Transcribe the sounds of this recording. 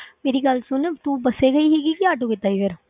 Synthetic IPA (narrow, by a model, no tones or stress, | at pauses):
meːɾiɡəlsʊnet̪uːbɐseɡəiɦɛɡikiaːʈʰokɪt̪aːiːʋeɾ